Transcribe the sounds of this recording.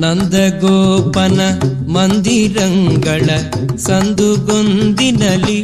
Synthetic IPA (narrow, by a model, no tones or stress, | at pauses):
nɐnd̪ɐɡɔːpɐnɐ | mɐnd̪iɾɐŋɡɐɭɐ | sɐnd̪uɡond̪inɐli